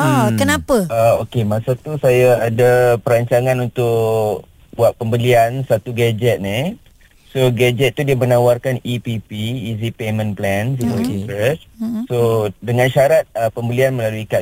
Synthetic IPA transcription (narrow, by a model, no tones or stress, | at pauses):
ɔkkənãpəaokemãsat̪usajaːdapəɾaɲt͡ʃaŋãnunt̪ʊk | buaʔ̪̚pəmbəliansat̪uɡad͡ʒɛt̪̚ni | soɡad͡ʒɛt̪̚ːudiamənawarkanipipiːzipemə̃nplɛnsut̪uʔinɾɛssodəŋãnʃaɾat̪̚əpəmbəlianməlaluika